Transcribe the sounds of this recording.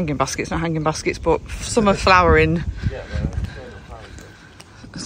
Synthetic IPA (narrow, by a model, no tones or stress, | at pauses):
ŋɪ̃ŋbaskɪtsnəʔɦãŋɪ̃ŋbaskɪtsb̥ʊʔsʊ̃mə̥flaʊəɹɪ̃n